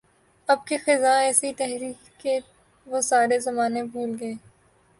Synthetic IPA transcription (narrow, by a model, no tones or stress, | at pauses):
ɐb̚kexɪzaɛːsit̪ɛɦɾiːkːe | ʋosaːɾezɐmaːnebʱuːlɡɐeː